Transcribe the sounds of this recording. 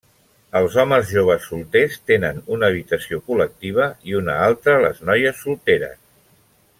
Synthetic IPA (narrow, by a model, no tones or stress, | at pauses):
əlˠzɔməzʒoβ̞əsːulˠt̪est̪enənunəːβ̞it̪əsiokulək̚t̪iβ̞əiunə̰alˠt̪ɾələ̰znɔjəsːulˠt̪eɾə̰s